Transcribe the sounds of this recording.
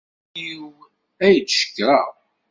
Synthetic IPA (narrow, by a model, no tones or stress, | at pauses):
iw | æjət͡sʃə̥kːɾˤɑ